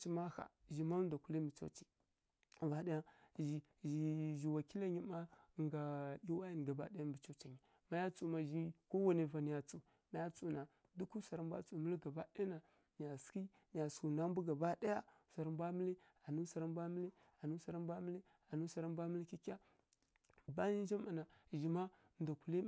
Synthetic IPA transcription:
t͡ʃi˦ma˦ha̰˨ʒi˨ma˦da˨ku˦li˦mbi˨t͡ʃo̰˦t͡ʃi̥˨ | va˨da˦ja˦ʒi˨ | ʒi˨ʒi˨wa˨ki˦la˦ɲi˦ma˦˨ŋɡa˨i˦wa˦ji˦n˨ɡa˨ba̰˦da˦ja˦mbi˨t͡ʃo˦t͡ʃa˨ɲi˨ | ma˦ja˦t͡su˦ma˨ʒi˦ko˦wa˦ne˨va˨ni˨ja˨t͡su˨ | ma˦ja˦t͡su˨na˨ | du˦ku˦sa˨ɾa˦m˦bʷa̰˦t͡su˨mə˦lɡa˨ba˦de˦na˨ | ɲ˨a˨ski˦ | ɲ˨a˨sku˨na˦mbu˦ɡa˨ba˦da˦ja˦ | sa˨ɾa˨mbʷa˦mi˦li˦ | a˨nu˦sa˨ɾa˦mba˦mə˦li˦ | a˨nu˦sa˨ɾa˦mba˦mə˦li˦ | a˨nu˦sa˨ɾa˦mbʷa˦mə˦li˦ki˦ka˦ | ba˦ɲi˦n˦d͡ʒa˦ma˨na˨ʒi˨ma˦˨ | nda˨ku˨li˦

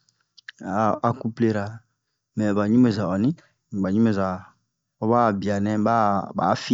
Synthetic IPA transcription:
a˨a˨ku˦ple˦ɾa˨ | mɛ̃˨ba˨ɲũ˦me˨za˨ɔ˨nĩ˦˨ | ba˨ɲũ˦e˨za˨ | ɔ˦ba˦˨bi˨a˨nɛ̃˦ba˦ba̰ː˨˦fi˦

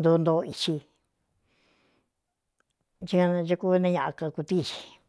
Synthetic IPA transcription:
nd̪uː˧˦nd̪o˧˦˧i˧t͡ʃi˧ | t͡ʃi˦˧ã˧ʒa˧ku˦˧nã˦˧ɲã˧ʔã˧ka˧ku˧t̪i˦˧t͡ʃi̥˧

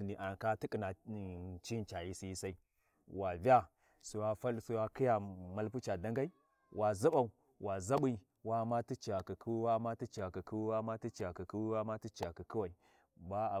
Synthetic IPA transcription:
ni˨ʔa˨n˨ka˦ti˦kʼi˨na˨t͡ʃi˦n˦t͡ʃa˨ji˦si˦sa˦i˦ | wa˨va˦ | su˨wa˦fa˦lsu˦wa˦ki˦ja˨ma˦lp̬u˦t͡ʃa˨da˦ŋɡa˦i˦ | wʔa˨zu˦ɓa˨u˨ | wa˨za˦ɓi˦˨ | wa˨ma˦ti˦t͡ʃi˨a˨ki˨kʰu˦wwa˦ma˦ti˦t͡ʃi˨a˨ki˨ki˦wi˦wa˦ma˦ti˦t͡ʃi˨a˨ki˨ki˦wi˦wa˦ma˦ti˦t͡ʃa˨ki˨ki˦wa˨i˨ | ba˦a˨

